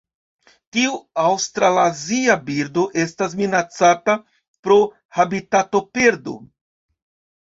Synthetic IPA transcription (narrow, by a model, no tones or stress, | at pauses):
tiuawstɾalaziabiɾdo̞ʔe̞s̬tas̬minat͡sata | pɾo̞ | habitato̞pe̞ɾdo̞̰